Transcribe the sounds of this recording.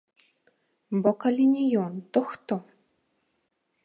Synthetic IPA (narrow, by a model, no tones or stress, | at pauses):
bokalʲinʲijont̪oxt̪o